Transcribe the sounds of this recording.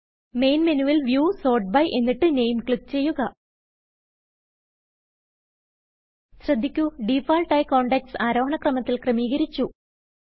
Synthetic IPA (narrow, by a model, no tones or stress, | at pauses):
me̞jnmenuʋɐlʋjuːso̞ːʈ̚bɐjʔe̞nːiʈːɨnejmkɭik̚t͡ɕe̞jːuɣɐ | ɕrɐd̪ʱːikʲːuɖifaːlʈɐjko̞ːɳɖek̚ʈsaːɾoːɦɐɳɐkrɐmɐt̪ːilkrɐmiːɣɐɾit͡ɕːu